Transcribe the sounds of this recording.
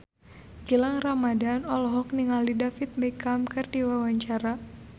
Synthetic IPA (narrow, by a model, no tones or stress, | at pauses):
ɡilaŋramadanɔlɔɦɔk̚niŋalidafit̪̚bekamkɨrdiwawaɲt͡ʃaɾa